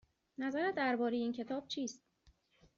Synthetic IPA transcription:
næzæɾæd̪æɾbɒːɾejeiːncʰe̞t̪ʰɒːb̥̚t͡ʃʰiːst̪

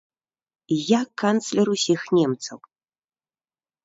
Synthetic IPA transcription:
jakːant̪slʲɛɾusʲixnʲɛmt̪sɐw

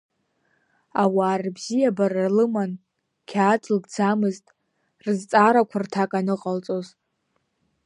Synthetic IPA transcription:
awaːrbzijabararlɨman | kʲʰaːd͡zʰʼlɡd͡zamɨztʼ | rɨzt͡sʼaɾakʷʰartʰakʼanɨqʼalt͡sʼo̞z

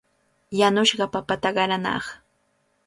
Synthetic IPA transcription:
janʊʃɢɑpapat̪aɢɑɾanɑ̰χ

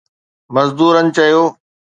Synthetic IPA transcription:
mɐzd̪uːɾənɪ̆t͡ɕɐijoː

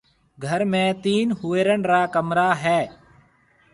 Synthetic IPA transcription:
ɡʱəɾmẽːt̪iːnɦʊːeːɾəɳɾaːkəmɾaːɦɛː

